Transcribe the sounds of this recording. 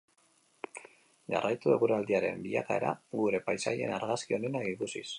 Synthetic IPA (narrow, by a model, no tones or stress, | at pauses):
ʝa̰rajt̪ue̞ɣuɾeald̪iaɾe̞̰mbiʎakae̞ɾa̰ɡuɾe̞pajsa̰ʎe̞̰naɾɣaskio̞ne̞nakikusis